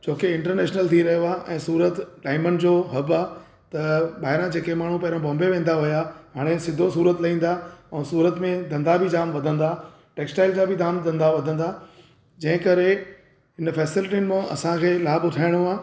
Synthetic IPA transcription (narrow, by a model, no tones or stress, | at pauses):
t͡ɕʰoːkeɪ̃ɳʈəɾnɛːʃnəlt̪ʰiɾɐɦjoaːʔɛ̃ːsuːɾət̪ɖaːɪmənɪ̆d͡ʑoːɦɐbaː | t̪ɐɓaːɦɪɾãd͡ʑeːkemaːɳ̤ũpɐɦɪɾãbɔ̃ːmbeʋẽːnd̪aɦʊjaɦaːɽ̃esɪd̪ʱːosuːɾət̪lɐĩːn̆d̪aɛ̃ːsuːɾət̪mẽd̪ʱɐ̃nd̪abʱɪd͡ʑaːmʋɐd̪ʱə̃nd̪a | ʈeːksʈaːɪld͡ʑaːbɪd̪aːmd̪ʱɐ̃nd̪aʋɐd̪ʱə̃nd̪aː | d͡ʑɐ̃ɦɪ̃kɐɾe | ɦɪnfɛːsɪlɪʈinmẽɐ̰sãkʰeːlaːbʊtʰaːɪɽ̃oaː